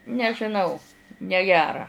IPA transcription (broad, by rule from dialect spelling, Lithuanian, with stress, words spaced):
nʲɛʒʲɪˈnɐʊ nʲɛˈɡʲæːrɐ